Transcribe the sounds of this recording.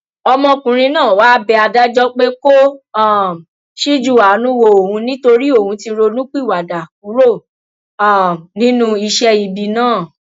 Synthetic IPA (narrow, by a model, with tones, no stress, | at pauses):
ɔ˧mɔ̃˧kũ˨ɾ̃ĩ˧nãː˦˨wa˦bɛ˧a˧da˦d͡ʒɔ˦k͡pe˦ko˦˨ | ʃi˦d͡ʒu˦˨a˨˦nũ˦wo˧o˨hũ˧nĩ˦to˧ɾi˦o˦˨hũ˧ti˧ɾo˧nũ˦k͡pi˦˨wa˨da˨ku˨˦ɾo˦˨ | a˦˨nĩ˦nũ˦i˧ʃɛ˧i˧˨bi˨nãː˦˨